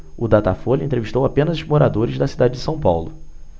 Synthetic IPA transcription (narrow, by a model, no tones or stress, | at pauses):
ʊd̪at̪afoʎɐẽnt̪ɾeviʃt̪owapẽnɐzʊzmoɾad̪oɾɪzd̪ɐsid̪ad͡ʒɪd͡ʒɪsɐ̃w̃pawlʊ